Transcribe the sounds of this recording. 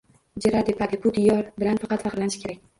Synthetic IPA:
d͡ʒaɾad̪epʰad̪ɪbʊd̪ɪjɒɾbɪlanfɑqʰɑt̪fɑqɾlanɪʃkʲeɾakʲ

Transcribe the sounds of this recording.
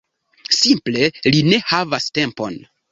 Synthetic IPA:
simple̞line̞havaste̞mpo̞̰n

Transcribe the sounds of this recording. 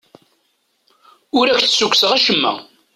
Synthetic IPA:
ʊɾækθsukʷːsəʁæʃəmːæ̰

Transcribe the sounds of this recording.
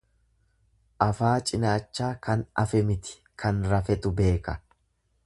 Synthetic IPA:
ʔɐfaːt͡ʃʼɪnaːt͡ʃːaːkɐnɐ̰fɛmɪt̪ɪ̥ | kʰɐnɾɐfɛt̪ʊbe̞ːkɐ

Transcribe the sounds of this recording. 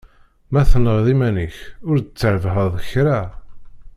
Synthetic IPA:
mæθnəʁðimænəçʊɾd̪ət͡sːəʕəvɦəðˤəçɾa

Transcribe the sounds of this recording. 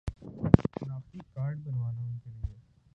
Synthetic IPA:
naːft̪ikaːɾɖbɐnʋaːnaɦʊ̃kelie

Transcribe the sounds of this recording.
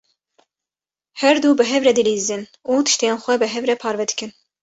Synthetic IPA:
hɛɾd̪uːbɨɦɛvɾɛd̪ɨliːzɨnuːt̪ʰɨ̥ʃt̪ejeːnxʷɛbɨɦɛvɾɛpʰɑːɾvɛd̪ɨ̥kɨn

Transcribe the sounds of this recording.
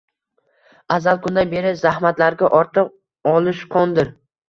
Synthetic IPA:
azalˠkʰʊnd̪anbe̞ɾɪzahmat̪laɾɡʲaʔɒɾt̪ʰɨq | ɒlˠɪʃqʰɒnd̪ɪɾ

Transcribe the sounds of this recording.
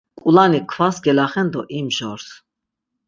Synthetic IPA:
kʼulanikʰvasɡɛlaχɛnd̪ɔʔimʒɔɾs

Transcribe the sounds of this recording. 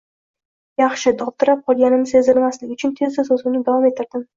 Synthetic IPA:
jɑχʃɪd̪ɒp̚t̪ɪɾap̚qʰɒlˠɡʲanɪmse̞zɪlmaslɪɡʲʊt͡ʃʰʊnt̪ʰe̞zd̪azɵzɪmnɪd̪avɒme̞t̪ʰːɪɾd̪ɪm

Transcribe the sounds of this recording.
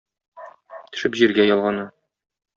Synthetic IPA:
t̪ɵ̥̆ʃɘpʑiɾɡæjɒlˠʁɑnɤ

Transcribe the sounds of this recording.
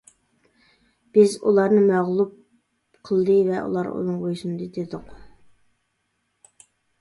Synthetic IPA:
b̥ɪzulˠɑɾnɨmɛʁlˠup̚ | qʰəlˠd̪ɨvɛʔṵlˠɑɾo̰nɨŋʁojusunɨd̪ɨd̪ed̪ʊq

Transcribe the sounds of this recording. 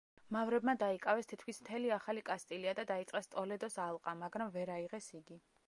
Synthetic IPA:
mavɾɛbmad̪aikʼavɛst̪ʰit̪ʰkʰwismt̪ʰɛliaχalikʼast̪ʼiliad̪ad̪ait̪sʼqʼɛst̪ʼɔlɛd̪ɔsalˠqʼamaɡɾamvɛɾaiʁɛsiɡi

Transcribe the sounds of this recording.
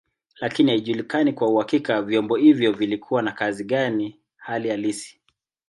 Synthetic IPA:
lakinihaiʄulikanikwauhakikavjɔmbɔhivjɔvilikʰuwanakaziɠani | halijalisi̥

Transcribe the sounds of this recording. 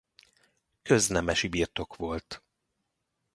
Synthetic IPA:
køznɛmɛʃibiːrt̪o̞kʋo̞lt̪

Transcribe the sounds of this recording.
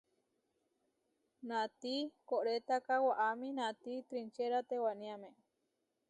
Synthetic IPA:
nãt̪ikoʔɾet̪akawaʔamĩnãt̪it̪ɾint͡ʃeɾat̪ewanĩamẽ

